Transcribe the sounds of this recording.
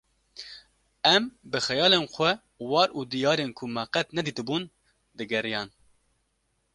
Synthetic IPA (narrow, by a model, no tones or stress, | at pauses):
ɛmbɨxɛjɑːlenxʷɛ | wɑːɾud̪ijɑːɾenkʰʊmɑqɛt̪nɛd̪iːt̪ɨbuːn | d̪ɨɡɛɾijɑːn